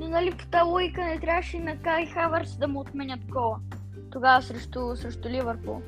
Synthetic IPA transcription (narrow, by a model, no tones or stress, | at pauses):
nnɐlipo̥t̪alˠujkənɛit̪ɾʲavəʃɛinɐkaixavəɾsd̪ɐmot̪mɛnʲət̪̚ɡɔlˠə | t̪oɡavɐsɾɛʃt̪ʊsɾɛʃt̪ʊlivəɾpṵlˠ